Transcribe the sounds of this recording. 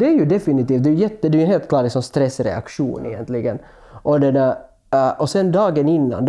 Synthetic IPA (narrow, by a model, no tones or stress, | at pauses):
d̪ɛæɾjʉd̪ɛfɪnɪt̪iːft̪̚d̪ɛːjʉjɛt̪ːəd̪ɛːɾjʉɦeːlt̪kʰlɑːɾlɪksɔmst̪ɾɛsːɾɛ̰a̰kʂṵːnʔɪ̰jɛ̰nt̪lɪɡən | ʔɔd̪ɛd̪ɛ | ʔɔsɛnd̪ɑːɡənɪnːa̰nd̪